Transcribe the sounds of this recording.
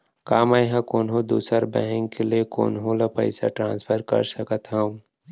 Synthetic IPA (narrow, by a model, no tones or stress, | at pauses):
kaːmajɦãkoːnɦõd̪ṵːsəɾbɛɦɛ̃ŋɡkelieko̰ːnɦõlɐpɐ̰ɪsa̰ʈɾãːnspʰəɾkɐ̰ɾsɐkət̪ɦɐm